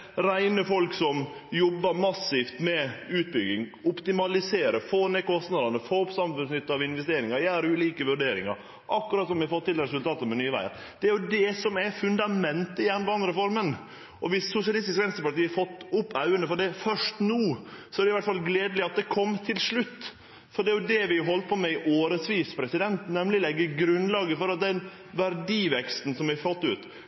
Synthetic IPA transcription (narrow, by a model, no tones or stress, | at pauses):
ɾæɪnəfɔlksɔmjɔbːəɾmɑsːift̪mɛʉːt̪̚bʏɡɪŋʊpt̪ɪmɑlɪseːɾəfoːnɛkʰɔst̪nɑd̪ɑnəfoːʊpsɑmfʉnsnʏt̪ːəɑʋɪnʋɛst̪eːɾɪŋɑɾjæːɾʉːliːkəʋʉɖeːɾɪ̰ŋɑ̰ɾ | ʔɑkːʉɾɑːt̪sɔmʋɪɑfɔt̪ʰːɪlɾɛs̬ʉlt̪ʰɑːt̪əmɛnyːəʋæ̰ɪə̰ɾ | d̪̥ɛæɾjʊd̪ɛsɔmɛfʉnd̪ɑmɛnt̪əɪjæːnəbɑɾɑnd̪ɾəfɔɾmən | ʔɔʋɪsːʊsjɑlɪst̪ɪskʋɛnst̪ɾəpɑɾt̪iːɑɾfɔt̪ːʊpːœʉənəfɔɖɛfœʂʈnuːsɔæɾɖɛɪʋæʈːfɑlɡleːd̪əlɪɑt̪̚d̪ɛkʰɔmːt̪ʰɪlsɭʉt̪ː | fɔɖɛæɾjʊd̪ɛʋɪɦɔlt̪̚pʰɔmɛɪʔoːɾəsʋiːspʰɾɛsɪd̪ɛnt̪nɛmlɪlɛɡːəɾɡɾʉnlɑːɡəfɔɾɑt̪̚d̪ɛn | ʋæɾɖiːʋɛkst̪n̩sɔmʋɪɾfɑt̪ːʉ̰ːt̪